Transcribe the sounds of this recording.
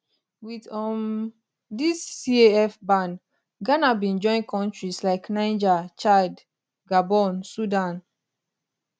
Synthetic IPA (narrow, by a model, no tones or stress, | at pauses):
widɔm | disːieɛfbãn | ɡanabĩnd͡ʒɔ̃ɪ̃nkʰɔ̃ntɹislaɪknãɪ̃nd͡ʒat͡ʃad | ɡabɔnsudãn